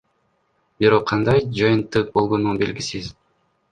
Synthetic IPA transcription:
biɾo̞qʰːɑnd̪ɑjd͡ʒɑjɯnt̪ːɯq̚bo̞lˠʁonunbe̞lɡisiz

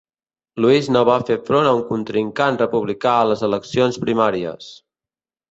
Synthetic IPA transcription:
luiznoβafefɾonəuŋkunt̪ɾiŋkanrəpuβlikaələzələksionspɾimaɾiə̰s

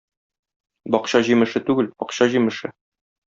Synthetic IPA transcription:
bɒqɕɑʑimɘ̆ʃɘt̪ʉɡɘlbɒqɕɑʑimɘ̆ʃɘ

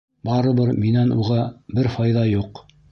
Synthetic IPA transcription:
bɑɾɤ̆βɤɾminænuʁɑbɘɾfɑjðɑjuq

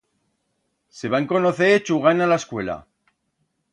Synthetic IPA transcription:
seβaŋko̞noθet͡ʃuɣanalaeskwe̞la̰

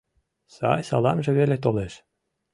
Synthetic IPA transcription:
sɑ̰jsɑ̰lɑmʒĕβelet̪̬oleʃ

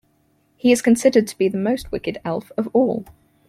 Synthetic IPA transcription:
hiɪz̥kʰə̃nsɪdəd̚tʰəb̥iðəməʊst̚wɪkɪdɛlˠfəvɔːlˠ

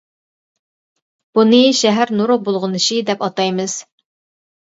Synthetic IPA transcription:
b̥unɨʃɛɦæɾnuɾʊq̚bolˠʁʊnɨʃid̪ɛpɑt̪ɑjmɨz̥

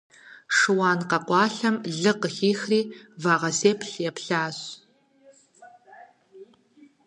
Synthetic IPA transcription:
ʂɨwɑːnqɐqʷɑːɬɐmɮɨqəxiːxriːvaːʁɐseːpʰɬjɛpɬaːɕ

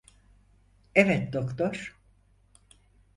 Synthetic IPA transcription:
ɛvɛt̪d̪okt̪ʰoɾ̥

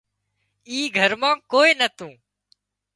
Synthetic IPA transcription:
iːɡʱəɾmãːkoːiːnət̪ũː

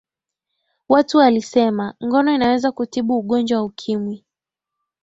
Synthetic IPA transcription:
watualisɛmaŋɡɔnɔinawɛzakutiɓuːɠɔnd͡ʒwawaukʰimwi

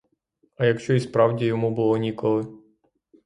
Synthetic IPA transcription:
ɐjɐkʃt͡ʃɔispɾɑwdʲijɔmubʊlˠɔnʲikɔlˠɪ

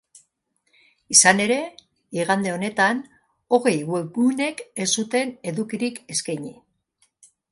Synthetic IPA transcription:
isane̞ɾe̞ | iɣ̞and̪e̞o̞ne̞t̪an | o̞ɣe̞jɣwebune̞ke̞sut̪e̞ne̞ðukiɾike̞skajɲi

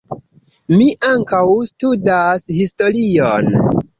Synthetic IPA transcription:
miʔaŋkawstudashisto̞ɾion

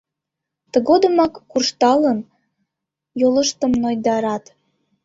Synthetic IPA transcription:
t̪ə̆ɣod̪ə̆mɑkːurʃt̪ɑlən | joləʃt̪ə̆mnojd̪ɑɾɑt̪

